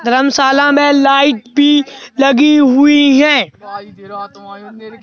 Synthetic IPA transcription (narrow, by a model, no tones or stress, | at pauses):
d̪ʱɐɾəmsaːlãmẽlaːɪʈbʱilɐɡiɦʊiɦɛ̃ː